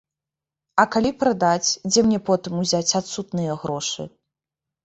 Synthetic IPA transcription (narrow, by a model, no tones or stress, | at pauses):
ɐkalʲipɾad̪at͡sʲd͡zʲɛmnʲɛpɔt̪ɨmuzʲat͡sʲat̪sut̪nɨjɐɣɾɔʂɨ̰